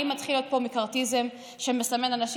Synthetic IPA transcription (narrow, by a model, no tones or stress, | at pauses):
imːat̪χilo̞t̪̚po̞mikaʁtizem | ʃemesame̞nanaʃ